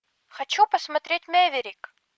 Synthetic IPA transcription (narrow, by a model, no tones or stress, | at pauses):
xɐt͡ɕupəsmɐt̪ɾʲetʲmʲevʲɪɾʲɪk